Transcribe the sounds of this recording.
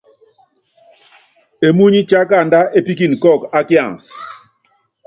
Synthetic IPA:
e˨mu˦ɲi˦t͡ʃa˦ka˦˨nda˦ʔe˦pi˦k̬i˨nkɔ˦˨ka˦kja̰˨ŋs

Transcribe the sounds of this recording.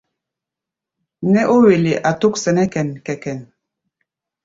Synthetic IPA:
nɛ˦ʔo˦we˨le˨ʔa˨to˦k̚sɛ˨nɛ˦kɛ˨nkɛ˨kɛ˨n

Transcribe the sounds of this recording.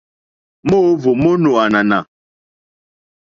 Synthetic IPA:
mo˦vo˨mo˦no˨a˨na˨na˨

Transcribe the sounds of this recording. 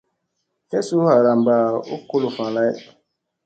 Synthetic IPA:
hɛ˦su˦ha˨ɾa˨mba˨o˦ko˦lo˨fã˨la˦j

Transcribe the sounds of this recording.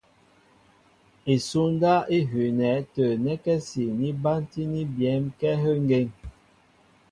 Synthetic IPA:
e˨su˦nda˦i˦ɦʉ˨nɛ˨˦tə˨nɛ˦kɛ˦si˨ni˦ba˦nti˦ni˦bjɛ˨˦mkɛ˦ɦə˦ŋ˦ɡe˦˨ŋ

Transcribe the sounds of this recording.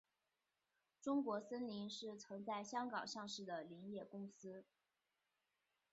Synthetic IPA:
ʈ͡ʂʊ˥ŋkwɔ˧˥sə˥nli˧˥nʂɻ̩˥˩t͡sʰɤ˧˥ŋt͡sa˥˩ɪɕjɑ˥ŋkɑ˨˩ŋʂɑ˥˧ŋʂɻ̩˥˩d̪ə˩li˧˥ŋjɛ˥˩kʊ˥ŋsɹ̩˥

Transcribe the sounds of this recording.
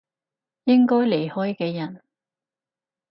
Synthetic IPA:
jɪ˥ŋkɔː˥jle˨˩jhɔː˥jkɛː˧jɐ˨˩n

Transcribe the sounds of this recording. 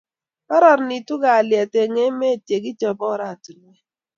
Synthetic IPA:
pa˦ɾɔ˨ɾni˨tu˦ɡa˨ljɛ˨te˨ŋe˦me˦˨tje˨ɡɪ˦t͡ʃɔ˨bɔ˦ɾa˦˨tu˨n˨ɛ˦

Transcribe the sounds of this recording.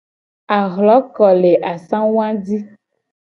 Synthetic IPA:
a˨ɣlɔ˨˦kɔ˨le˨ʔa˨sã˦wwã˦di˦

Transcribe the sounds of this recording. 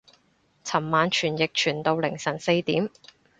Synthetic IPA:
t͡sʰɐ˨˩mːaː˨˧nt͡ʃʰyː˨˩njɪ˨k̚t͡ʃʰyː˨˩nt̪o˨˧wlɪ˨˩ŋsɐ˨˩nse˧jt̪iː˨˥m

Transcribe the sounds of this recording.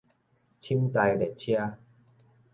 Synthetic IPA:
t͡ɕʰi˦wt̪a˧jle˨˩t͡ɕʰja˧

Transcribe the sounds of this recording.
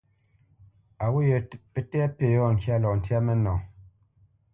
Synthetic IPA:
a˨wo˦jɛ˨pe˦tɛ˦a˦pe˨jɔ˦˨ŋ̩˨kja˦˨lɔ˨n̩˨tja˦mɛ˦nɔ˨

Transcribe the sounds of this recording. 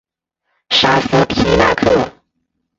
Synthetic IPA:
ʂa˧˥s̩˧˥pʰi˧˥la̰˧˥kʰɤ˥˩

